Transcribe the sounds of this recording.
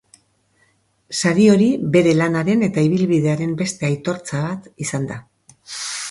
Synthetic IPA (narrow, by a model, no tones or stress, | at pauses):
saɾio̞ɾiβe̞ɾe̞lanaɾe̞ne̞t̪aiβ̞ilβiðe̞aɾe̞mbe̞st̪e̞ajt̪o̞ɾt͡saβ̞at̪isand̪a